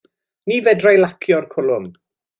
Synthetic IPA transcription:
niːvɛdrajlakʰjɔrkʰʊlˠʊm

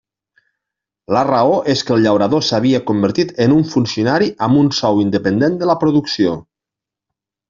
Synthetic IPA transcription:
ləraoʔeskəlˠʎawɾaðosaβ̞iəkombəɾt̪it̪ənuɱfunsiunaɾiʔamunsɔwind̪əpənd̪end̪ələpɾuðuksio

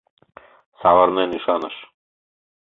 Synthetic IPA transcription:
savəɾnɛniʃanəʃ

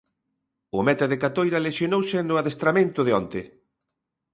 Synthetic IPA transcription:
ʊmɛt̪aðekat̪ojɾɐleʃjonowsɪnʊaðest̪ɾamẽnt̪ʊðɪɔnt̪ɪ

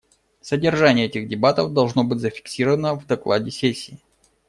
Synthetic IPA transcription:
sədʲɪrʐanʲɪjəɛtʲɪɣdʲɪbat̪əvd̪ɐlˠʐno̞bɨtʲzəfʲɪ̥ksʲiɾəvənəvd̪ɐklˠa̰dʲɪsʲesʲːiː

